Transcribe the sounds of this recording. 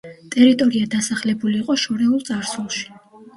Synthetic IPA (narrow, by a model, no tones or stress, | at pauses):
t̪ʼɛɾit̪ʼɔɾiad̪asaχlɛbuliːqʼɔʃɔɾɛulˠt̪sʼaɾsulˠʃi̥